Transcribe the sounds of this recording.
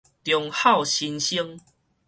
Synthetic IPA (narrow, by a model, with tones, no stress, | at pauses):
t̪jɔ˧ŋha˥˨wɕi˧nɕi˦ŋ